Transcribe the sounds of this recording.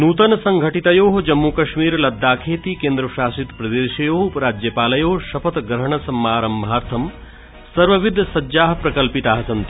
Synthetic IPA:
nuːt̪ɐnɐsɐŋɡʱɐʈit̪ɐjoːɦɐd͡ʒɐmːukɐʃmiːɾlɐd̪ːaːkʰeːt̪iːkeːnd̪ɾɐʃaːsit̪pɾɐd̪eːʃjɐjoːɦupɾaːd͡ʒjɐpaːlɐjoːɦʃɐpʰɐt̪ɡɾɐɦɐɳ̃ɐsɐmːaːɾɐmbʱaːɾt̪ʰɐm | sɐɾʋɐʋid̪ʱɐsɐd͡ʒaːɦɐpɾɐkɐlpit̪aːɦɐsɐnt̪i

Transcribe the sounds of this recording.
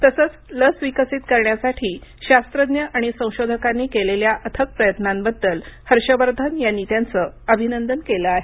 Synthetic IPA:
t̪əsəːt͡sləsʋikəsiːt̪kəɾɳjasaʈʰiːɕast̪ɾəd̪njəʔaɽ̃isə̃w̃ɕod̪ʱəkanːiːkeleljaʔət̪ʰək̚pɾəjət̪nambəd̪ːəlhəɾɕəʋəɾd̪ʱənjanːit̪jant͡sə | əbʱinənd̪ənkeləaɦe

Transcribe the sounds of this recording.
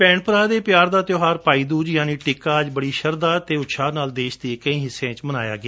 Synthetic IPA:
pɛ̃ːɳpəɾaːd̪eːpɪjaːɾd̪aːt̪joːɦaːɾpaːiːd̪uːd͡ʒjaːniːʈɪkːaːd͡ʒbəɽiːʃəɾd̪aːt̪eːʊt̪ʃʰaːnaːld̪eːʃd̪iːkəĩːɦɪsːẽːt͡ʃməna̰ːja̰ːɡɪjaː

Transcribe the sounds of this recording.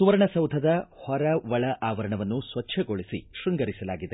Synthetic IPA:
suʋɐɾɐɳɐsɐwd̪ʱɐd̪ɐhɔɾɐʋɐɭɐʔaːʋɐɾɐɳɐʋɐnːusʋɐtːʃʰɐɡoɭisiʃɾuŋɡɐɾisɐla̰ːɡid̪e

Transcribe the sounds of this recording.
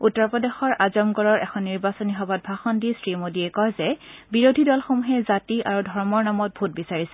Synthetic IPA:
utːɔɹpɹɔdexɔɹazɔmɡɔɹɔɹʔɛkʰɔnːiɹbasɔniɦɔbat̚bʱaxɔndisɹimodiɛkɔjzɛbiɹodʱidɔlxomuɦɛzatiʔaɹudʱɔɹmɔɹnamɔt̚bʱut̚bisaɹisɛ̥

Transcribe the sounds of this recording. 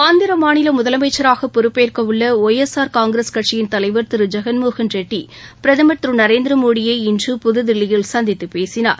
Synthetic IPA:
aːnd̪ɪɾɐmaːnɪlɐmʊðɐlɐmɐɪt͡ʃːɐɾaːɣɐpːɔɾɯpːeːrkɐʋɯɭːɐoːjɛsaːɾkaːŋɡɪɾɐskɐʈ̚t͡ʃɪjɪnt̪ɐlɐɪʋɐɾt̪ɪɾɯd͡ʒɐɣɐnmoːɣɐnd͡ʒɛʈːi | pɪɾɐðɐmɐʈ̪rɯnɐɾeːnd̪ɪɾɐmoːɽɪjɐɪɪndrɯpʊðʊðɪɭːɪjɪlsɐnd̪ɪt̪ːɯpeːsɪna̰ːɾ

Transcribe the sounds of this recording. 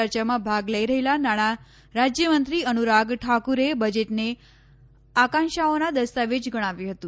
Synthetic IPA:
əɾt͡ʃamãbʱaɡləiɾəɦelanaɽ̃a | ɾad͡ʒjəmənt̪ɾiənuɾaɡʈʰakuɾebəd͡ʒeʈne | akãnʃaonad̪əst̪aʋed͡ʒɡəɽ̃aʋjũɦət̪ũ

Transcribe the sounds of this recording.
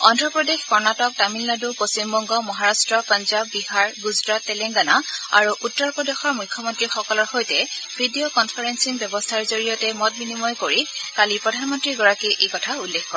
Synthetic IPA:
ɔndɹɔpɹɔdexkɔɹnatɔk̚tamilnadupost͡ʃimbɔŋɡɔmɔɦaɹastɹɔpanzabːihaɹɡuzɹatːɛlɛŋɡanaa̰ɹuʔutːɔɹpɹɔdexɔɹmujkʰːɔmɔntɹixɔkɔlɔɹxojtɛb̥ʰʱidiokɔnpʰaɹensinbjɔbɔstʰaɹzoɹijɔtɛmɔt̚binimɔjkoɹikalipɹɔdʱanmɔntɹiɡɔɹakiʔejkɔtʰaulːexkɔɹɛ

